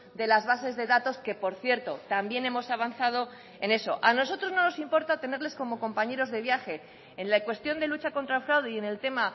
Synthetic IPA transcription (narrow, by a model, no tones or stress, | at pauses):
d̪e̞lazβase̞zðe̞ðat̪o̞ske̞po̞ɾθje̞ɾt̪o̞t̪ambje̞ne̞mo̞saβ̞anθaðo̞ | e̞ne̞so̞ʔano̞s̬o̞t̪ɾo̞zno̞no̞simpo̞ɾt̪at̪e̞ne̞ɾle̞sko̞mo̞ko̞mpaɲe̞ɾo̞zðe̞βjaxe̞ː | nlakwe̞st̪jo̞nd̪e̞lut͡ʃako̞nt̪ɾaelfɾawðiene̞lt̪e̞ma